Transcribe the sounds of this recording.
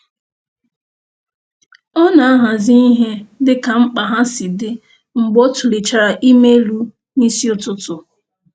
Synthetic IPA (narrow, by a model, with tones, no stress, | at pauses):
ɔ˦na˨a˦ɦa˨zi˦i˦ɦe˦dɪ˦ka˨ŋ͡m̩˦k͡pa˨ɦa˦sɪ˨dɪ˦ | ŋ͡m̩˨ɡ͡bo˦tʊ˨li˨t͡ʃa˨ɾa˨ʔi˦me˦lu˦ | ni˦si˦ʊ˨tʊ˦tʊ˨